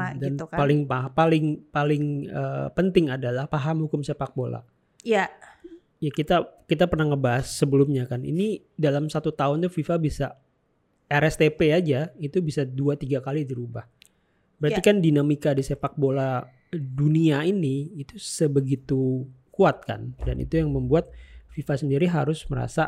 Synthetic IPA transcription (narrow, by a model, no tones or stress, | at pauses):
danpalɪŋpapalɪŋpalɪŋə̰pənt̪ɪŋadalahpaɦamhukʊmsepak̚bola̰ | a | jakit̪akit̪apərnahŋəbaɦasːəbəlʊmɲakanḭni | dalamsat̪ut̪aʊnt̪ufifabisa | ɛɾɛst̪epead͡ʒait̪ubisaduat̪iɡakalidiɾubah | bəɾaikandinamikadisepak̚bola | duniainiːt̪usəbəɡit̪ukuat̪̚ka̰nda̰nḭt̪ujaŋməmbuat̪̚fifasəndiɾiɦa̰ɾʊsməɾa̰sa